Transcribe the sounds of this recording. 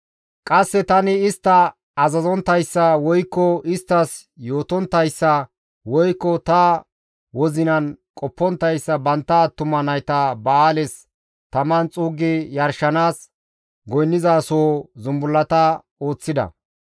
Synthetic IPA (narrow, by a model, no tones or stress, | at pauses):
kʼɐsːɛt̪ɐnɪɪst̪ːɐ | ɐzɐzɔnt̪ːɐjsːɐwɔjkːɔɪst̪ːɐsjo̞ːt̪ɔnt̪ːɐjsːɐ | wɔjkːɔt̪ɐ | wɔzɪnɐnkʼɔpːɔnt̪ːɐjsːɐbɐnt̪ːɐt̪ʊmːɐnɐjt̪ɐbɐaːlɛs | t̪ɐmɐnt͡sʼuːɡɪjɐɾʃɐnaːs | ɡɔjnːɪzaːsoːzʊmbʊlːɐt̪ɐ | o̞ːt͡sːɪd̪ɐ̰